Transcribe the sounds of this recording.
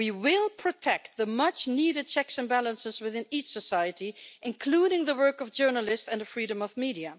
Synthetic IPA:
wiwɪlˠpʰɹ̥ɨtʰɛk̚t̪̚ðəmʌt͡ʃniɾɨd̚t͡ʃʰɛksɨ̃nbælˠə̃nsɪzwɪðɪ̃nit͡ʃsəsaɪɨtiʔɨ̃nkʰl̥uːɾɪ̃ŋðəwɜ˞kʌvd͡ʒɜ˞nəlˠɪstɨ̃nðəfɹiːɾə̃mʌvmiɾiɨ

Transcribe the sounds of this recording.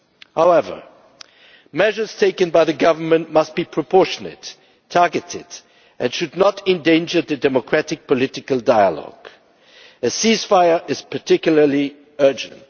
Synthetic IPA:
haʊɛvə̰˞ | mɛʒə˞z̥tʰeɪkɨ̃nbaɪðɨɡʌvə˞mɨ̃nʔmʌst̚b̥ipʰɹ̥ɨpʰɔɹʃənɨ̰tʰː | ɑɹɡɨtɪ̰d | ʔɨ̃nʃɨdⁿnəɾɨ̃ndẽɪ̃nd͡ʒə˞ðɨdɛməkʰɹ̥æɾɨk̚pəlɪɾɨkəlˠdaɪə̰lɔ̰ɡ̥ | ɨsiz̥faɪə˞ʔɪz̥pʰə˞tʰɪkjl̩ˠə˞li | ɜ˞d͡ʒɨ̰̃nt̚

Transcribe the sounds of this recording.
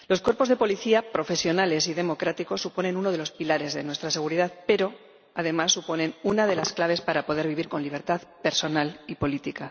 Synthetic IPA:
lo̞skweɾpo̞zðe̞po̞liθiapɾo̞fe̞sjo̞nale̞siðe̞mo̞kɾat̪iko̞sːupo̞ne̞nuno̞ð̞elo̞spilaɾe̞zðe̞̰nwe̞st̪ɾase̞ɣ̞uɾiðaðpe̞ɾo̞ | að̞e̞masːupo̞nẽ̞nunað̞e̞lasklaβ̞e̞spaɾapo̞ð̞e̞ɾβiβiɾko̞nliβ̞e̞ɾt̪aðpe̞ɾso̞nalipo̞lit̪ika

